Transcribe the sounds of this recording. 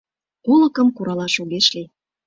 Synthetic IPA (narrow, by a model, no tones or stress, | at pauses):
kolə̆kə̆mkuɾɑlɑʃoɣeʃli